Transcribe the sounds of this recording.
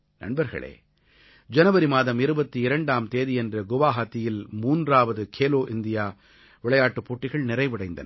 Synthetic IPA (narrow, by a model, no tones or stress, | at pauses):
nɐ̰ɳbɐɾɣɐ̰ɭḛː | d͡ʒɐnɐʋɐɾimaːðɐmɪɾɯbɐt̪ːiɪɾɐɳɖaːmt̪eːðiɛndrɐɡʊʋaːɦaːt̪ːɪjɪlmuːndraːʋɐðɯkʰeːloːʔɪnd̪ɪjaː | ʋɪɭɐjaːʈːɯpːoːʈːɪɣɐɭnɪɾɐɪʋɪɽɐɪnd̪ɐnɐ